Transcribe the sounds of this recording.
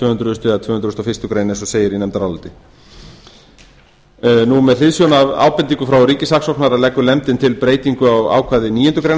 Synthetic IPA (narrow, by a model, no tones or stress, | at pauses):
t̪vœːhʏnt̪ɾʏʏst̪ʏat̪ʰvœːhʏnɾʏst̪ɔfɪ̥t̪ʏkɾeːjnɛnsɔseːjɪɾinɛmt̪aɾalt̪ɪ | numɛðθɪðsjɔnava̰ːwpɛnt̪iŋkʏfɾawɾiːcɪsaksɔwknaɾalɛkːʏlɛmt̪ɪnt̪ʰɪlpɾeːjt̪iŋkʏawa̰ːwkʰvaðɪniːjʏnt̪ʏkɾejn